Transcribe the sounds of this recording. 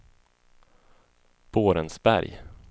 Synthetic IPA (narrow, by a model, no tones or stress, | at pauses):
b̥oːɾənsbæ̰ɾj